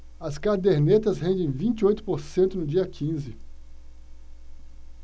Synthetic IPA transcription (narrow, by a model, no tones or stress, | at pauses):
ɐskaɾd̪eɾnet̪ɐsɦẽnd̪ẽj̃vĩnt͡ʃiojt̪ʊ̥poɾsẽnt̪ʊnʊd͡ʒiɐkʰĩzɪ